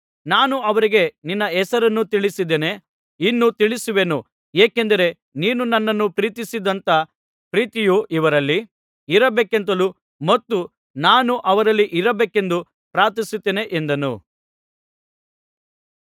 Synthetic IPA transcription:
naːnuɐʋɐɾiɡeninːɐɛsɐɾɐnːut̪iɭisid̪ene̞ | inːut̪iɭisuʋe̞nu | eːke̞nd̪ɐɾe̞ | niːnunɐnːɐnːupɾiːt̪isid̪ɐnt̪ɐ | pɾiːt̪ijuʔiʋɐɾɐlːi | iɾɐbeːkent̪̬ɐlu | mɐt̪ːu | naːnuʔɐʋɐɾɐlːiʔiɾɐbeːke̞nd̪u | pɾaːɾt̪̬isut̪ːeːne̞ʔnd̪ɐnṵ

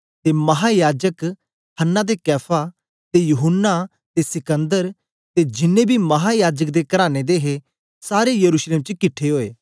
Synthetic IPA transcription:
t̪emɐɦajaːd͡ʒək | hənːad̪ekɛːpʰa | t̪ejuɦʊnːa | t̪esɪkə̃nd̪əɾ | t̪ed͡ʒɪnẽbʱimɐɦajaːd͡ʒək̚d̪ekɐɾaːñed̪eɦe | saːɾejɐɾuːʃleːmt͡ʃkɪʈʰːeɦoːḛː

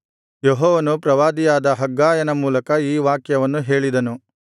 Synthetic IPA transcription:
jɔɦɔːʋɐnupɾɐʋaːd̪ijaːd̪ɐɦɐɡːaːjɐnɐmuːlɐkɐiːʋaːkjɐʋɐnːuɦe̞ːɭid̪ɐnu

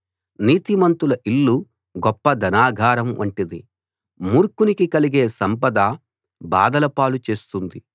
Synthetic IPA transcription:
niːt̪imɐnt̪ulɐʔilːu | ɡɔpːɐd̪ɐnaːɡʱaːɾɐmʋɐɳʈid̪i | muːɾkunikikɐliɡe̞ːsɐmpɐd̪aː | ba̰ːd̪ɐlɐpaːlut͡ʃe̞ːst̪und̪i

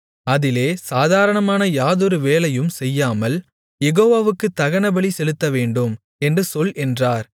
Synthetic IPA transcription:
ɐðɪleːsaːðaːɾɐɳɐmaːnɐjaːðɔɾɯʋeːlɐjɯmsɛjːaːmɐl | jɛɣoːʋaːʋɯkːɯt̪ːɐɣɐnɐbɐɭisɛlɯt̪ːɐʋeːɳɖɯm | ɛndrɯsɔlʔɛndraːɾ

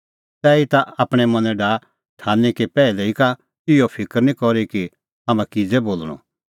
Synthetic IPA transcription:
tɛːit̪aaːpɽ̃ɛmɐ̃nɛɖaː | ʈʰaːnikipɛːlɛika | ɪjopʰɪkəɾnĩkɔɾiki | ɦaːmãkɪd͡zeboːlɽ̃ɔ̰

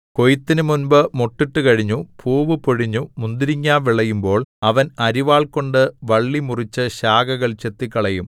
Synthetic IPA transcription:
ko̞jit̪ːinɨmunbɨmoʈːiʈːɨkɐɻiɲːupʰuːʋɨpoɻiɲːumund̪iɾiɲːaːʋiɭɐjumbo̞ːɭɐʋɐnɐɾiʋaːɭko̞ɳɖɨʋɐɭːimurit͡ɕːɨɕaːɡɐɣɐɭt͡ɕe̞t̪ːikːɐɭɐjum

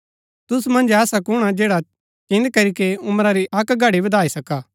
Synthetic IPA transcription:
t̪ʊsmɐ̃nd͡ʒɛːsakʊɽ̃ad͡ʒeːɽa | t͡ʃɪ̃nd̪kɐɾikeʊmɾaɾiʔɐkɡʱɐɽibɐd̪ʱaːisɐkaː

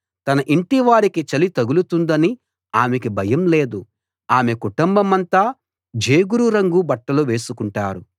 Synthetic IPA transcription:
t̪ɐnɐʔiɳʈiʋaːɾikit͡ʃɐlit̪ɐɡulut̪und̪ɐni | aːmekibʱɐjɐmle̞ːd̪u | aːmekuʈumbɐmɐnt̪aː | d͡ʒeːɡuɾuɾɐŋɡubɐʈːɐluʋe̞ːsukuɳʈa̰ːɾu

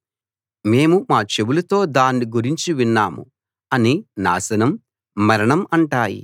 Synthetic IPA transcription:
me̞ːmumaːt͡ʃe̞bulɐt̪o̞ːd̪aːnːiɡuɾiɲt͡ʃiʋinːaːmṵ | ɐnina̰ːsɐnɐmː | ɐɾɐɳɐmɐɳʈaːjḭ

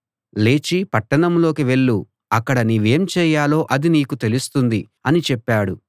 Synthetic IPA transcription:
le̞ːt͡ʃipɐʈːɐɳɐmlo̞ːkiʋe̞ɭːu | ɐkːɐɽɐniʋe̞ːmt͡ʃɛːjaːlo̞ːʔɐd̪iniːkut̪e̞lust̪und̪i | ɐnit͡ʃɛpːaːɽu

